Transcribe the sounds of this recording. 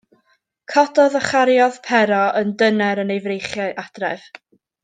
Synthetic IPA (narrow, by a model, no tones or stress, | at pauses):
kʰɔdɔðəχaɾjɔðpʰɛɾɔəndənɛɾənejvrejχjaʔad̥rɛ̰v̥